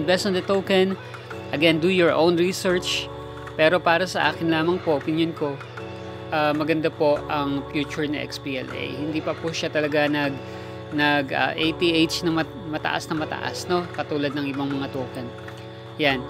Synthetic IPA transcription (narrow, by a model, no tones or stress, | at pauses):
nbɛst̪ɐnd̪ɐt̪oːkɛn | ʔɐɡɛnd̪ujɔɹʔõwnɹisɛɹt͡ʃ | pɛːɾo̞paːɾɐsɐʔa̰ːkɪnlaːmɐŋpoʔopɪnjonko̞ | ʔaːmɐɡɐnd̪apo̞ʔɐŋfjuːt͡ʃʊɹnɐ̰ʔɛ̰kspiːʔɛ̰lʔɛ̰jhɪnd̪iːpɐpʊʃat̪ɐlɐɡanɐɡ̚ | nɐɡɐ̰ːʔejt̪iʔejt͡ʃnɐŋmɐ | mɐt̪ɐ̰ʔa̰snɐmɐt̪ɐ̰ʔa̰sno̞kɐt̪uːlɐd̪̚nɐŋʔɪbaŋmɐŋat̪oːkɛn | jan